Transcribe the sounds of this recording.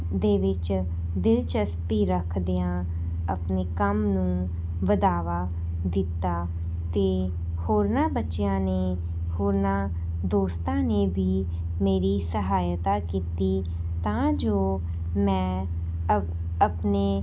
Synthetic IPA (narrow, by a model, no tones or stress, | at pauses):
d̪eːʋɪt͡ʃ | d̪ɪlt͡ʃəspiːɾəkʰd̪ejãː | əpneːkəmnũː | ʋəd̪aːʋaː | d̪ɪt̪ːaː | t̪eː | hoːɾnãːbətːʃjãːneː | hoːɾnãː | d̪oːst̪ãːneːbiː | meːɾiːsəɦaːjt̪aːkiːt̪iː | t̪ãːd͡ʒoː | mɛ̃ː | əpneː